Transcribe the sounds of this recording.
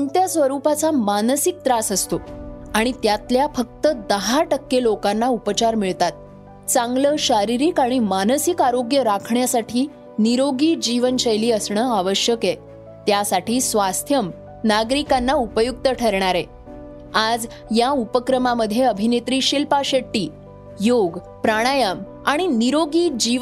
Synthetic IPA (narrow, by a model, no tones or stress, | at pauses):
ənt̪jasʋəɾupat͡samanəsik̚t̪ɾasəst̪oaɽ̃it̪jat̪ljafək̚t̪əd̪əɦaʈəkːelokanːaupət͡ɕaɾmiɭt̪at̪̚ | t͡sãŋɡləɕaɾiɾiːkaɽ̃imanəsikaɾoɡjəɾakʰɳjasaʈʰiː | niɾoɡiːd͡ʑiʋənɕəjliːəsɳəaʋəɕjəke | t̪jasaʈiːsʋast̪ʰjəm | naɡɾikanːaupəjuk̚t̪əʈʰəɾɳ̃aɾe | ad͡z | jaupəkɾəmaməd̪ʱːjeəbʱinet̪ɾiːɕilpaɕeʈːiː | joɡ | pɾaɽ̃ajəm | aɽ̃iniɾoɡiːd͡ʑiʋ